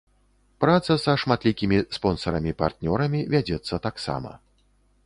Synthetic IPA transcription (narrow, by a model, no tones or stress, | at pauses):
pɾat̪sɐsɐʂmat̪lʲikʲimʲispɔnsɐɾɐmʲipa̰rt̪nʲɔɾɐmʲivʲad͡zʲɛt̪sːɐt̪aksa̰mɐ̰